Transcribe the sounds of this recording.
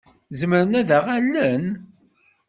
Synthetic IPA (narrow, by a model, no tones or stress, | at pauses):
zməɾənæðæʁælːən